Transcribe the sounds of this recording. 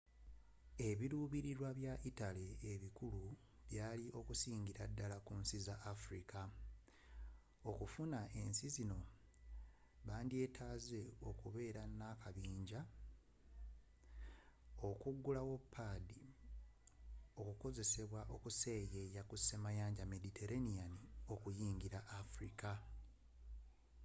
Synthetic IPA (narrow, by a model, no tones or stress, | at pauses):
e̞βiɾuβiɾiɾwaβjaʔitale̞ːβikulu | βjaːliʔo̞kusiːɲɟiɾadːalakunsizaʔːfɾikʰa | o̞kufunae̞nsizino̞ | βaːndie̞ːtʰaːze̞o̞kuβe̞ːɾanːakaβiːɲɟa | o̞kuɡːulawopʰːadi | o̞kuko̞ze̞se̞βwaʔo̞kuseje̞jakusːemajaːɲɟame̞ditʰe̞ɾanijanio̞kujiːŋɡiɾaʔːfɾika